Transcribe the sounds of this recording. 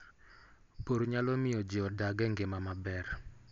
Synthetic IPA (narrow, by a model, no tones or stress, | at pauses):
poɾɲalɔmɪɔd͡ʒɪɔdaɡɛŋɡemamabɛr